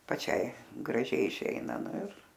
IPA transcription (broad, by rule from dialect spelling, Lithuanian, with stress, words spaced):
pɐˈt͡ʃʲɛɪ ɡrɐˈʒʲɛɪ ɪˈʃʲɛɪnɐ ˈnʊ ɪr